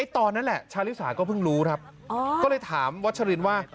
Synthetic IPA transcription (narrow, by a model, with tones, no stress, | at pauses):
a˦˥˩t̪ɔː˧nːa˦˥nlɛ˨˩t͡ɕʰaː˦˥wli˦˥saː˩˦kɔː˥˩pʰɯ˥˩ŋɾuː˦˥kʰa˦˥p̚ː | kːlɤː˧jt̪ʰaː˩˦mwa˦˥t̪̚t͡ɕʰa˧ɾiː˧nwaː˥˩